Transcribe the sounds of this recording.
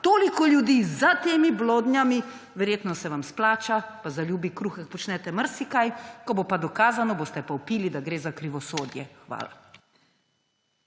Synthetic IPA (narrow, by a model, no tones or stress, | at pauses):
t̪oːlikɔljud̪iːzat̪eːmibloːd̪njami | ʋɛɾjeːt̪nɔsɛʋamsplaːt͡ʃapazaljuːbikɾuːxaxpɔt͡ʃnɛt̪ɛməɾsikajkɔbopad̪ɔkaːzanɔboːst̪ɛpaupiːlid̪aɡɾeːzakɾiʋɔsoːd̪jɛ̰xʋa̰ːla̰